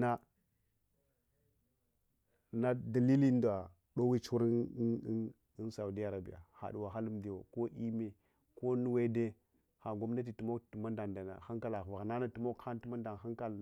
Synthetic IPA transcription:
na˦ | na˦da˨li˦li˦da˨ | ɗo˦wi˦t͡ʃu˦ɾ | n˦sa˨u˨di˦a˦˨ɾa˨bḭ˦ja̰˨ha̰˨du˨wa˨ɦa˦lu˦m˦di˨wo̰˨ko˦ʔi˦me˨ | ko˦nu˦we˦de˦ | ha˨ɡo˦mna˦t̬i˨tu˨mo˦ktu˨ma˦nda˨nda˨na̰˨xa˦ŋka˦la˨va˨ɣna˦na˦tu˨mo˦kha˦n˦ti˦ma˦nda˨nɦa˦ŋka˦˨l

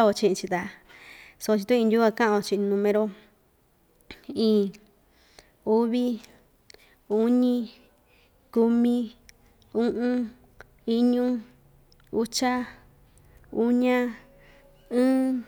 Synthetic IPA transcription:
o˧t͡ʃĩ˧˨ʔĩ˧t͡ʃi˧t̪a˧ | so˧o˧t͡ʃi˧t̪ũ˦˧ĩ˧ju˦a˧kã˦ʔã˧õ˧t͡ʃĩ˧ʔnũ˧mẽ˧ɾo˧ | ĩː˧˨ | u˦βi˦ | u˦ɲĩ˦ | ku˧mĩ˦ | ũ˦ʔũ˦ | i˦ɲũ˦ | u˦t͡ʃa˦ | u˦ɲã˦ | ɨ̃ː˦

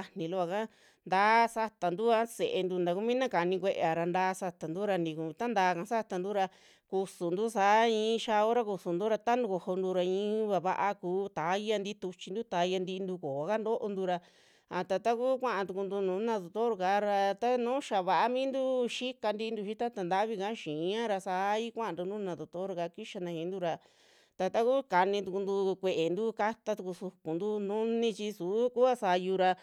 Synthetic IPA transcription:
a˧nĩ˨˧lu˦βa˧ka˦ | nd̪aː˦sa˧t̪a˨nd̪u˦a˦se˨ʔe˧nd̪u˧nd̪a˨˧ku˦mĩ˦nã˦ka˨nĩ˧kʷe˧ʔe˧a˨˧ɾa˧nd̪aː˧˦sa˧t̪a˨nd̪u˦ɾa˧nĩ˧kũ˧˨˧t̪a˦nd̪aː˨˧kã˧sa˦t̪a˧nd̪u˦ɾa˧ | ku˧su˨nd̪u˦saː˨˦ĩː˧˦ʃa˧o˦ɾa˧ku˧su˨nd̪u˦ɾa˧t̪a˦nũ˧ko˧ho˧nd̪u˧ɾa˧ĩː˧˦βa˧βa˧ʔa˧kuː˨˧˦t̪a˨˦i˦a˧nd̪i˦t̪u˧t͡ʃi˧nd̪u˦t̪a˨˦i˧˦ja˧nd̪i˧nd̪u˧ko˨a˨˧ka˦nd̪o˦ʔo˧nd̪u˧ɾa˧ | a˨t̪a˧t̪a˦ku˦kʷã˦ʔã˧t̪u˧ku˧nd̪u˧nũː˨˦nã˧ðo˨t̪o˦ɾka˧˦ɾa˧t̪a˦nũː˦ʃa˨βa˧ʔa˦mĩː˦nd̪u˦ʃi˦ka˧nd̪i˧i˧nd̪u˧ʃi˦t̪a˦t̪a˧nd̪a˦βi˧ka˦ʃĩ˨˧˦ã˦ɾa˧saː˧˦i˦kʷã˦ʔã˧nd̪u˧nũː˦nã˧˨d̪o˨t̪o˦ɾka˧ki˦ʃa˧nã˧hĩ˧nd̪u˧ɾa˧ | t̪a˧t̪a˦ku˦ka˧nĩ˧t̪u˧ku˧nd̪u˧kʷe˧ʔe˨nd̪u˦ka˦t̪a˧t̪u˧ku˧su˧ku˨nd̪u˦nũ˦nĩ˧t͡ʃi˧su˨˦ku˦a˦sa˧ju˧ɾa˧

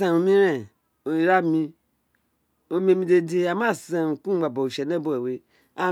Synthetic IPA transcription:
a˨o˨mĩ˦ɾẽ˨ | o˨i˨ɾa˦˨mĩ˧ | o˨˦mĩ˦e˦˨mĩ˦de˧de˦a˨ma˦˨sã˨kũ˦ɡ͡ba˨bo˨u˨ʃe˨ne˦bo˦˨e˨we˨ | a˨

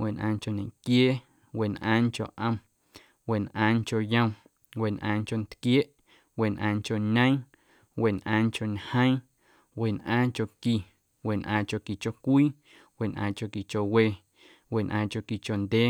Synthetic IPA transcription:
wʔe˨nʔãː˧ŋko˨nẽ˨ŋkjeː˦ | we˨nʔã̰ː˧˦ŋ˦ko̰˨ʔə̃˧m | we˨nʔãː˧ŋko˧jə̃˧w̃ | we˨nʔã̰ː˧ŋko˧˨nt̪kjeː˦ʔ | we˨nʔãː˧ŋko˨ɲə̃˦ | we˨nʔã̰ː˧ŋko˨ɲhə̃˦j̃ | we˨nʔã̰ː˦ŋko˧˨ki˨ | we˨nʔãː˧ko˧˨ki˨t͡ʃo˧kʷiː˦ | we˨nʔã̰ː˧ko˧˨ki˨t͡ʃo˨we˧˨ | we˨nʔã̰ː˧ko˧˨ki˧˨t͡ʃo˨nd̪ʲeː˦

